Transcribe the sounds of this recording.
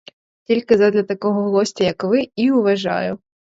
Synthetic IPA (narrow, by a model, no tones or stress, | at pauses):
tʲilʲkɪzɐd̪lʲɐt̪ɐkɔɦɔɦlˠɔsʲtʲɐjɐkʋɪiʊʋɐʒɑ̰jʊ